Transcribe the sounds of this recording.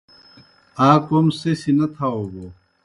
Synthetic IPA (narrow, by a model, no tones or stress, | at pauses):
aːkomsesinɐt̪ʰaoːɡoː